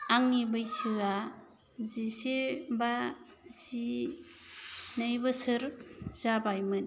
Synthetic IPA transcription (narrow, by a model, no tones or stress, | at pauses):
aŋnibajsɯɡa | ziseba | z̥i | najbɐsɯɾz̥abajmɯn